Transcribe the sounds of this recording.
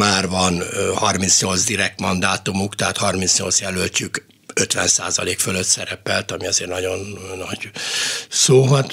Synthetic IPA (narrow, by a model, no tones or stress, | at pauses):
maːrvɒnhɒrmint̪sɲolzd̪iɾɛk̚t̪mɒnd̪aːt̪umukt̪ɛɦaːt̪hɒrmint̪sɲo̰lsjɛlølc̪yk | øt̪ʋɛ̰nsa̰ːzɒ̰leːkføløt̪sɛɾɛpɛlt̪ɒmiɒzeːrnɒɟo̞nːɒɟ | soːɦɒt̪